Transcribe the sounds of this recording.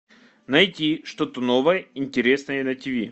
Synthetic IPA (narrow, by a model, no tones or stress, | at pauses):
nɐjtʲiʂt̪o̞t̪əno̞vəjəɪnʲtʲɪɾʲe̞snəjənɐtʲɪvʲi